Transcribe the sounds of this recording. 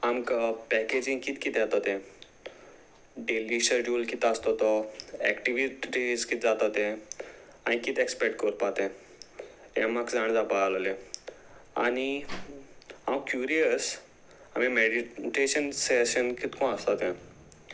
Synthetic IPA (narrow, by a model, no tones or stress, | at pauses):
amkapɛked͡ʒĩŋɡkit̪kit̪ɛt̪at̪ɛ̃ | ɖeliʃəɖjulkit̪ast̪ot̪ɔɛ̰kʈiʋiʈizkit̪̚d͡zat̪at̪ɛ̃ | anikit̪ekspɛk̚ʈkəɾpat̪ɛ̃ | emakd͡zaɽ̃d͡zapalole | a̰ni | awkjuːɾijəs | amĩmeɖiʈeːʃənsɛʃənkit̪kõast̪at̪ɛ̃